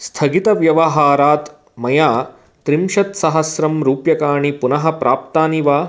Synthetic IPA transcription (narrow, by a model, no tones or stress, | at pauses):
st̪ʰɐɡit̪ɐʋjɐʋɐɦaːɾaːt̪ | mɐjaː | t̪ɾimʃɐt̪sɐɦɐsɾɐmɾuːpjɐkaːɳipunɐɦɐpɾʔaːp̚t̪aːniʋaː